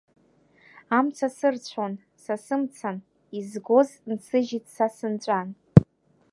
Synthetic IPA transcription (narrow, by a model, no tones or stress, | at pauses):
amt͡sʰasɨrt͡ɕʷʰon | sasɨmt͡sʰan | izɡo̞znsʰɨʒitʰʼsasɨnt͡ʃʷʼan